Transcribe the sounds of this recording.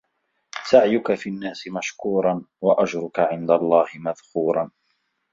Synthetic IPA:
saʕjʊkafinːaːsɪmaʃkuːɾˤɑnwaʔad͡ʒɾʊkaʕɪnd̪alˤːɑːhɪmaðkuːɾˤɑn

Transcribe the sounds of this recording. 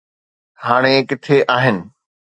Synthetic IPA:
haːɽ̃ekɪt̪ʰeʔaːɦɪnɪ̆

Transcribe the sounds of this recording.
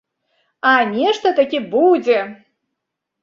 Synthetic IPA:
anʲeʂt̪ɐt̪akʲebud͡zʲe

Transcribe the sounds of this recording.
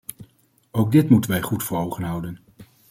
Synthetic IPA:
owɡ̚dɪtmutənʋɛjχutfʊːɹɦowχənɦʌwdən

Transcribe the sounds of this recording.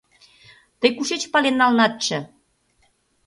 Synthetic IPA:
t̪əjkuʃet͡ɕpɑlenːɑlnɑt̪̚t͡ɕə̆

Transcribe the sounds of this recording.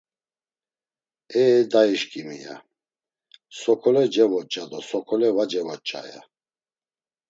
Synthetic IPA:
ɛd̪aiʃkʼimḭja̰ | sɔkʰɔlɛd͡ʒɛvɔt͡ʃʼad̪ɔsɔkʰɔlɛvad͡ʒɛvɔt͡ʃʼa̰ja̰

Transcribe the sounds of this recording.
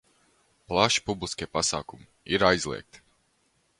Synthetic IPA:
plˠaʃi̥publˠiskʲiɛpasa̰ːkumi | iɾajzlˠḭɛk̚t̪

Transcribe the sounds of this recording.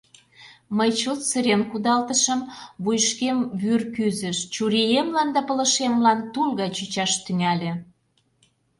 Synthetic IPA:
məjt͡ɕot̪səɾenkud̪ɑlt̪əʃəmβujʃkemβyrkyzə̆ʃt͡ɕuɾijemlɑnd̪ɑpə̆lə̆ʃemlɑnt̪ulɣɑjt͡ɕyt͡ɕɑʃt̪yŋælʲĕ

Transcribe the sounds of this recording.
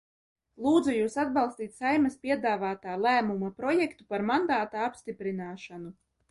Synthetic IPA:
lˠuːd̪zujuːsad̪̚balˠst̪iːt̪ʲsajmaspʲiɛd̪aːvaːt̪aːlˠæːmumapɾɔjɛkt̪upaɾmand̪aːt̪aapst̪ipɾinaːʃanu

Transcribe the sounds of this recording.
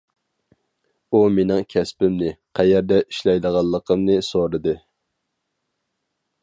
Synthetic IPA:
umenɪŋkʲʰɛspɪmnɪqʰæjɛɾd̪ɛiʃlɛjd̪əʁɑlˠːəqʰəmnɨsoɾɨd̪ɨ

